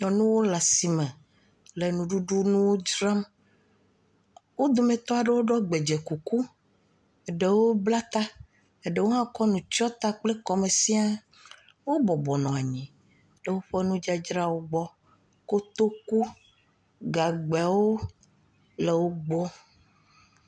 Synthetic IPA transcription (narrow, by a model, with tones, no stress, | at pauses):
ɲɔ̃˨nũ˦wo˦la˨si˨mẽ˨ | le˨nũ˨ɖu˦ɖu˦nũ˦wo˦d͡ʒɾa˦m | wo˦d̪o˨me˨t̪ɔ˦a˨ɖe˦wo˦ɖɔ˦ɡ͡be˨d͡ʒe˨ku˨ku˦˨ | ɖe˨wo˦bla˦t̪a˦ | e˨ɖe˦wo˦ɦã˦kɔ˦nũ˨t͡ʃɔ˦t̪a˦k͡ple˦kɔ˨me˨si˦a˦ | wo˦bɔ˨bɔ˨nɔ̃˨a˨ɲĩ˨ | ɖe˦wo˦ɸɔ˦nũ˦d͡ʒa˦d͡ʒɾa˦wo˦ɡ͡bɔ˦ | ko˦t̪o˦ku˦ | ɡa˨ɡ͡ba˨wo˦ | le˨wo˦ɡ͡bɔ˦